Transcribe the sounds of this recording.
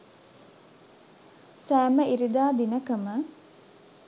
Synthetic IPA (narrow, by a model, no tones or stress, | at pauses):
sæːməiɾid̪aːd̪inəkəmə